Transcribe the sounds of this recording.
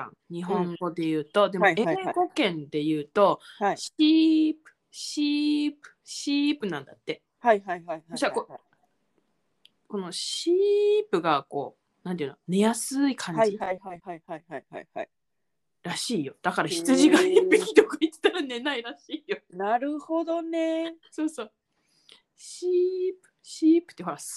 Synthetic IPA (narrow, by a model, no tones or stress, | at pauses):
ã̰ŋɲ̟iɦõ̞ŋŋɡo̞d̪e̞jɯ̟ːt̪o̞d̪e̞mo̞ẽɡo̞kẽ̞nd̪e̞jɯ̟ːt̪o̞ɕipɯ̟̥ɕipɯ̟̥ɕipɯ̟nãnd̪at̪ːe̞ | haiɦaaiɕiako | ko̞no̞ɕiːpɯ̟ɡako̞̰ː | nãn̬ejɯ̟nne̞jasɨikʰãɲiaaaiaiaihaiha̰i | ɾaɕiːjo̞d̪̥akaɾaçi̥t͡sɨʑiɡaibikʲit̪okait̪ːi̥t̪aɾane̞naiɾaɕiːjonaɾɯ̟ho̞d̪o̞neso̞ːso̞ː | ɕipɯ̟̥ɕiːpɯ̟̥t̪ːeɦoɾas